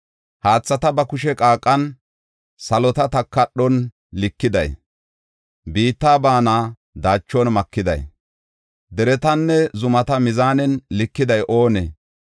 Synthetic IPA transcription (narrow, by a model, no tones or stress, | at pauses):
haːt͡sːɐt̪ɐbɐkʊʃɛkʼaːkʼːɐn | sɐlɔt̪ɐt̪ɐkːɐɗːɔn | lɪkːɪd̪ɐj | biːt̪ːaːbaːnaː | d̪aːt͡ʃːɔnmɐkːɪd̪ɐ̰j | d̪ɛɾɛt̪ɐnːɛzʊmɐt̪ɐmɪzaːnɛnlɪkːɪd̪ɐjʔo̞ːnɛ̰